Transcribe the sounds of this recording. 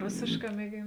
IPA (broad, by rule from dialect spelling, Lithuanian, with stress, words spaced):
ˈroːsʲeːʃˌkɑː mʲiɛˈɡʲeːn